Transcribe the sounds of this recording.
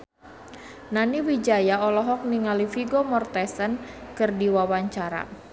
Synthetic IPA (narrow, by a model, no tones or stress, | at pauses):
naniwid͡ʒajaɔlɔɦɔk̚niŋalifiɡomɔrt̪ɛsənkɨrdiwawaɲt͡ʃaɾa̰